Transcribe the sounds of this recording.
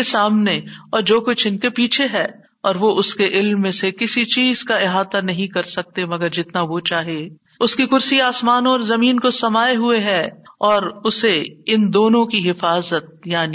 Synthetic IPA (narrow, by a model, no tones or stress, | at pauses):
esaːmneɔːɾd͡ʒoːkʊt͡ʃʰɪnkepiːt͡ʃʰeɦɛː | ɔːɾʋoʊskeʔɪlmːẽsekɪsit͡ʃiːz̥kaɪɦaːd̪anɐɦĩkɐɾsɐk̚t̪emɐɡəɾd͡ʒɪt̪naʋot͡ʃaːɦe | ʊskikʊɾsiaːsmaːnõɔːɾzɐmiːnkosɐmaːeɦueɦɛːɔːɾʊseɪnd̪oːnõkiɦɪfaːzət̪̚jaːni